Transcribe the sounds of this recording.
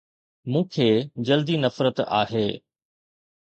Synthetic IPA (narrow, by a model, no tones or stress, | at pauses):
mũːkʰeːd͡ʑɐld̪inɐfɾət̪a̰ːɦeː